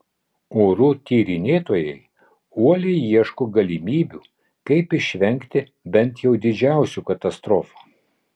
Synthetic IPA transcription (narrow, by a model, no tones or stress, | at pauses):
oːɾuːt̪ʲiːɾʲɪnʲeːt̪oːjɛɪ | uɔlʲɛɪiɛʃkoːɡɐlʲimʲiːbʲuː | kɐɪpɪʃʲʋʲɛŋʲkt̪ʲɪ | bʲɛnt̪jɛʊd̪ʲɪd͡ʒʲæˑʊsʲuːkɐt̪ɐst̪ɾoːfu̥ː